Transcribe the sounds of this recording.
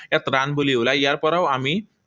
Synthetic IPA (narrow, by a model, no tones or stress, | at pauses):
et̪ɾanbuliulajaɾpʌɾawami